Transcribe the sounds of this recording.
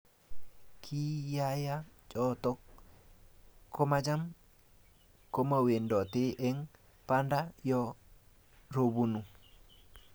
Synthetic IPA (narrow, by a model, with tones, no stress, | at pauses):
kʰi˦ja˦ja˦t͡ʃɔ˦tɔ˦k | o˦ma˦d͡ʒa˦m | ko˦ma˨we˨ndɔ˨te˦ʔɛ˦ŋ | pa˦ndajɔ˦ | ɾo˨bu˦nu˨